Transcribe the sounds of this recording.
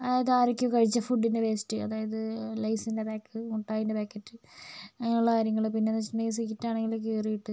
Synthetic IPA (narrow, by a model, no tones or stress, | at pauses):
ɐðaːjɐðɨaːɾikʲːukɐɻit͡ɕːɐfuɖːinːɨʋeːsi̥ʈːiɐ̰ðaːjɐðɨlɐjsindebaːkːɨuʈːaːjindebaːkːɐtːɨɐŋːɐuɭːɐkaːɾjɐŋːɐɭpinːenːɐt͡ɕinːejs̬ikːitːaːɳeŋɡilok̬ːeːrijiʈːɨ